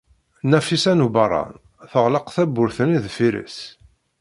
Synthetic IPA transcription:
næfisænubɑrˤːɑ̰n | θəʁləqθæbːʊɾθəniðfiɾḭs

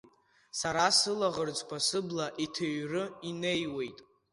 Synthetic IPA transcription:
saɾasɨlaʁərd͡zʼkʷʰasɨblaʔitʰaɥrɨine̞jwe̞jtʼ

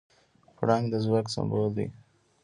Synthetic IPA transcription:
pɽaŋɡd̪əzwɑksã̰mbold̪ḭ

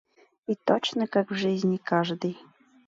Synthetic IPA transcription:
it̪ot͡ɕnəkakvʐɨzʲnʲikaʐd̪ɨj

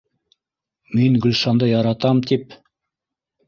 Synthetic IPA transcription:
minɡɵ̆lʃɑnd̪ɤjɑɾɑt̪ɑmt̪ip

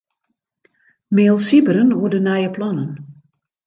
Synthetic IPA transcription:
meːlˠsibəɾənuədənajəplɑnən

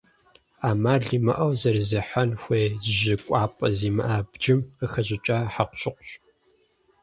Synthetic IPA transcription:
aːmaːɮiːmɐ̰ʔɐwzɐrzɨħanxʷeːzʒɪkʷʼɑːpʼɐziːmɐ̰ʔaːbd͡ʒɪməxɐʑɪt͡ʃʼaːħaqʷɕʼɪqʷɕʼ

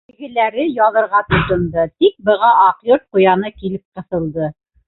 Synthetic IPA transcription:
ɘ̆ɡɘ̆læɾɘjɑðɤ̆ɾʁɑt̪ŏt̪ɤ̆nd̪ɤt̪ik̚bɤ̆ʁɑʔɑqjoɾt̪̚qŏjɑnɤkilɘp̚qɤ̆θɤ̆lˠd̪ɤ

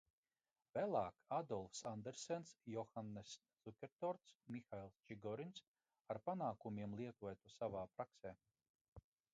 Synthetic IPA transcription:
vælˠaːkad̪ɔlˠfsand̪eɾsɛnsjɔxanːɨssukʲɛɾt̪ɔɾt̪smixailˠst͡ʃiɡɔɾins | aɾpanaːkumʲiɛmlˠiɛk̪uɔjt̪usavaːpɾakseː

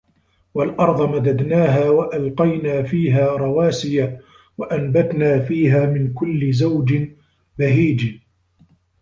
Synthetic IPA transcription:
walʔɑɾˤd̪ˤɑmad̪ad̪naːɦaːwaʔalqɑjnaːfiːɦaːɾˤɑwaːsɪja | waʔanbat̪naːfiːɦaːmɪnkʊlːɪzawd͡ʒɪ | baɦiːd͡ʒ

